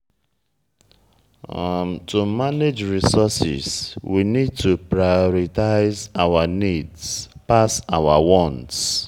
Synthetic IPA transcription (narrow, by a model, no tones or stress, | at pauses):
m̩tumaned͡ʒɹisɔsɪ̰zwinid̚tupɾajɔɾitaɪzawanidspasawa̰wɔ̃nts